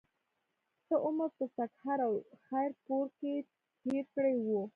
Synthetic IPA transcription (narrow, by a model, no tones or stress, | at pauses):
səʔoməɾpəsakhaɾawxajɾpoɾke | t̪eɾkɽejwu